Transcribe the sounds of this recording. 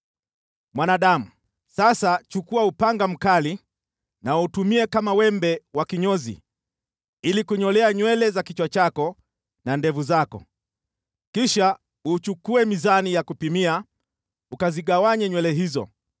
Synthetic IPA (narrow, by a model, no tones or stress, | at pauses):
mwanaɗam̩ | sasat͡ʃukuaupaŋɡam̩kali | nautumiɛkamawɛmbɛwakiɲɔzḭ | ilikuɲɔlɛaɲwɛlɛzakit͡ʃwat͡ʃakɔ | nandɛvuzakɔ̰ | kiʃa | ut͡ʃukuɛmizanijakupimia | ukaziɠawaɲɛɲwɛlɛɦizɔ̰